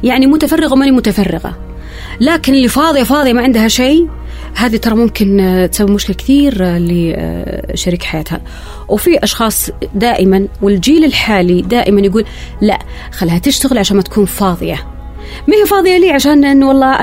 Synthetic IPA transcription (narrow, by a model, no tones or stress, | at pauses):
jaʕnimʊt̪afɑrːɪɣawmanimʊt̪afɑrːɪɣa̰ | laːkɪnɪlːifɑːðˤɨjafɑːðˤjamaʕɪnd̪ɦaʃeː | haːðit̪ɑɾˤɑmʊmkɪnt̪sabːɪbmʊʃkɪlkɪ̥θiːɾlḭ | ʃaɾiːkħajaːt̪ha̰ | wfiʔɑʃxɑːsˤd̪aːʔɪmanwɪld͡ʒiːlɪlħaːlid̪aːʔɪmanjaɡuːl | la̰ʔ | xalːhat̪ɪʃt̪aɣɪlʕaʃaːnmat̪ḁkʰuːnfɑːðˤɨja̰ | mɪhifɑːðˤɨjaliːʕaʃaːnʔɪnːwɑlˤːɑːʔ